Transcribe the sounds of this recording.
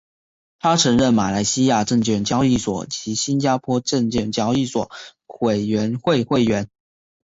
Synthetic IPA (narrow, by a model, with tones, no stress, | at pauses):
t̪ʰa˥ʈ͡ʂʰɤ˧˥ŋɻə˥˩nma˨˩la˧˥ɪɕi˥ja˥˧ʈ͡ʂə˥˧ŋt͡ɕɥɛ˥˩ŋt͡ɕjɑ˥ʊi˥˩swɔ̰˨˩t͡ɕi˧˥ɕi˥nt͡ɕja˥pʰwɔ˥ʈ͡ʂə˥˧ŋt͡ɕɛ˥˩ŋt͡ɕjɑ˥ʊi˥˩swɔ̰˨˩˦we˨˩ɪɥɛ˧˥nxwe˥˧ɪxwe˥˩ɪɥɛ˧˥n